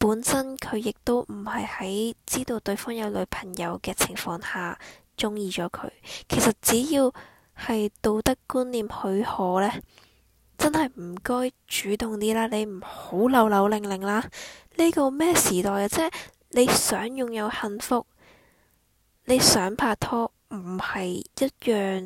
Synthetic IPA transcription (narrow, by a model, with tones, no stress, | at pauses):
puː˨˥nsɐ˥nkʰɵ˨˧ɥjɪ˨k̚t̪o˥wm̩˨˩hɐ˨jhɐ˨˥jt͡siː˥t̪o˨˧wt̪ɵ˧ɥfɔː˥ŋjɐ˨˧wlɵ˨˧ɥpʰɐ˨˩ŋjɐ˨˧wkɛː˧t͡sʰɪ˨˩ŋfɔː˧ŋhaː˨˩ | t͡sʊ˥ŋjiː˨t͡ʃɔː˨˥kʰɵ̰˨˧ɥkʰe˨˩jsɐ˨t̚t͡siː˨˥jiː˧w | hɐ˨jt̪o˧wt̪ɐ˥kːuː˥nliː˨mhɵ˨˧ɥhɔː˨˧lɛː˥ | t͡sɐ˥nhɐ˨jm̩˨˩kɔː˥j | t͡ʃyː˨˥t̪ʊ˨ŋt̪iː˥laː˥le˨˧m̩˨˩ho˨˥wlɐ˨˧wlɐ˨˧wlɪ˨ŋlɪ˨ŋlaː˥li˥kɔ˧mɛː˥siː˨˩t̪ɔː˨jaː˧t͡sɛː˥ | le˨˧jsœː˨˥ŋjʊ˨ŋjɐ˨˧whɐ˧nfʊ˥k̚ | ne˨˧jsœː˨˥ŋpʰaː˧t̪ʰɔː˥ | m̩˨˩hɐ˨jjɐ˥t̚jœː˨ŋ